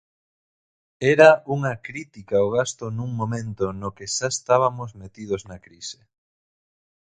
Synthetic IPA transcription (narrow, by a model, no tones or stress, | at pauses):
ɛɾauŋɐkɾit̪ikaoɣ̞ast̪onuŋmõmẽnt̪onokeʃaest̪aβ̞ɐmozmet̪ið̞oznɐkɾise̥